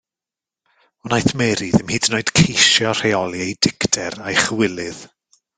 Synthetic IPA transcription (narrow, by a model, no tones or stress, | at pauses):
ɔnajθmɛɾiðɪmhiːdnoɨd̥kʰejʃjɔr̥ejɔlˠiejdɪktʰɛɾajχəwɪlˠɨð̥